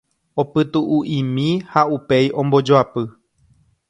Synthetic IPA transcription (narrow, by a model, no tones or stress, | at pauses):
opɨt̪uʔuʔĩmĩhaupe̞jʔõ̞mbo̞d͡ʒoapɨ